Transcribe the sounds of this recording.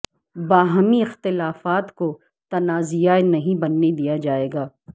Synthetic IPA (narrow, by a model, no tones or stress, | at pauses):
baːɦmiɪxt̪ɪlaːfaːt̪ko | t̪ɐnaːzijaenɐɦĩbɐnːed̪ijad͡ʒaːeːɡaː